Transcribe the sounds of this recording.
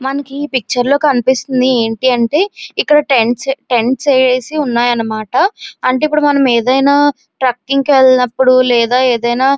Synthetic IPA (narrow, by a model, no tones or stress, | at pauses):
mɐnɐkiːpik̚t͡ʃɐɾlo̞ːkɐnipist̪und̪ie̞ːɳʈiɐɳʈe̞ːikːɐɽɐʈeɳʈsʈe̞ɳʈsɛːeːsiunːaːjɐnːɐmaːʈɐɐɳʈe̞ːipːuɽumɐnɐmeːd̪ɐjnaː | ʈɾaːkːiŋkʋeɭnɐpːuɽulɛːd̪aːeːd̪ɐjnaː